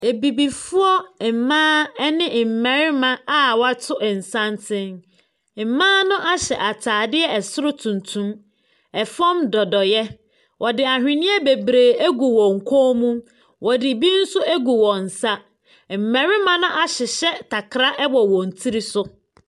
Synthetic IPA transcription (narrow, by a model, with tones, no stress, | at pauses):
e˨bi˨bi˨fʊ˦ɔ˦˨mãː˦ɛ˦nɪ̃˦˨m̩˨mɛ̃˨ɾɪ˦mã˦a˦wa˦tʰʊ˦˨n̩˨sã˦ntʰɪ̃˦ŋ | m̩˨mãː˦nʊ̃˦ʔa˦ɕɛ˨ʔa˨tʰaː˨dɪ˦ɛ˦ɛ˨sʊ˦ɾʊ˦tʰũ˨ntʰũ˦m | ɛ˨fɔ̃˦mdɔ˨dɔ˨jɛ˦ | wʔɔ˨dɪ˨a˨hᶣɪ̃˨nɪ̃˦ɛ˦be˨bɾeː˨æ˦ɡu˨wɔ̃˨ŋ̩˨kʰo˦mũ˦ | wʔɔ˨dɪ˨bi˦n̩˦sʊ˦æ˦ɡu˨wɔ̃˨n̩˨sa˦˨ | m̩˨mɛ̃˨ɾɪ˦mã˦nʊ̃˦ʔa˨ɕɪ˨ɕɛ˦tʰa˨kʰɾa˦ʔɛ˦wɔ˨wɔ̃˨n̩˨tʰi˦ɾi˦sʊ˦